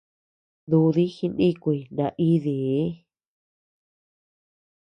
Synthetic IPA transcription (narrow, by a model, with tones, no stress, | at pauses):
d̪u˧ði˦xi˧nĩ˦kʷi˧˨nã˧ʔi˦ði˨˦